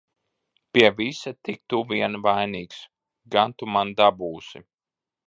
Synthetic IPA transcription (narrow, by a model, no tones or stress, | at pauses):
pʲiɛvisat̪ik̚t̪uviɛnvajniːks | ɡant̪umand̪abuːsi